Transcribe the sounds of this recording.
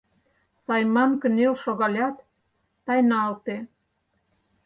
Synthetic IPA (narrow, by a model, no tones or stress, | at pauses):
sɑjmɑnkə̆nelʃoɣɑlʲɑt̪ː | ɑjnɑlt̪e